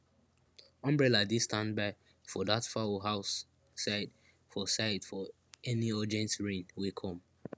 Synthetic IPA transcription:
ɔ̃mbɹɛladistãndbaɪ | fɔðatfaoɦaʊsː | aɪd | fɔsaɪdfɔ | ɛniɔdiɛ̃ntɹĩnwikʰɔ̃m

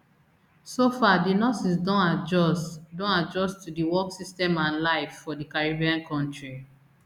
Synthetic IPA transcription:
sofadinɔsisdɔ̃nad͡ʒɔsdɔ̃nad͡ʒɔstudiwɔksistɛ̃mãnlaɪfːɔdikaɹibiãnkɔ̃ntɹi

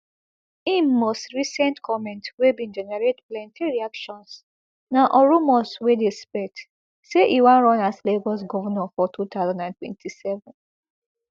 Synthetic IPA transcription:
ĩnmostɹisɛ̃ntkʰɔmɛ̃ntwebĩnd͡ʒɛnaɹetplɛ̃ntʰiɹiakʃɔ̃ns | naʔɔɹumɔswedespɛt | seʔiwãnɹɔ̃nasleɡɔs̬ɡɔvɔnɔ̃fɔtʰutaʊzãndãntwɛ̰̃ntʰisɛvɔ̃n

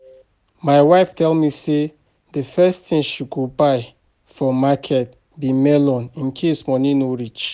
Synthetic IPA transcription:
maɪwaɪftʰɛlmise | dəfɛstĩmʃuɡobaɪ | fɔmakʰɛt̚ | bimɛlɔ̃nĩnkʰesmɔnĩnɔɹid͡ʒ

